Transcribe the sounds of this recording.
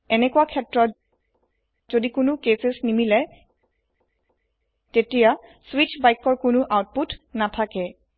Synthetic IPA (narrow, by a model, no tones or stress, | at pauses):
ɛnɛkuwakʰɛtɹɔt | zodikʊnʊkesesnimilɛ | tetijaswit͡ʃbajkɔɹkʊnʊʔawt̚putnatʰakɛ